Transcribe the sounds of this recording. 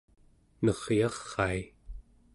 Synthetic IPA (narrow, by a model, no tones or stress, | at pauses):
nʌʁjɑχːɑi